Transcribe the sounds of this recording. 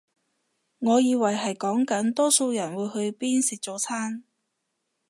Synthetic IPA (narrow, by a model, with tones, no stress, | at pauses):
ŋɔː˨˧jiː˨˧wɐ˨˩jɦɐ˨jkɔː˨˥ŋkɐ˨˥nt̪ɔː˥so˧wjɐ˨˩nwuː˨˧jhɵ˧ɥpiː˥nsi˨k̚t͡so˨˧˥t͡sʰaː˥n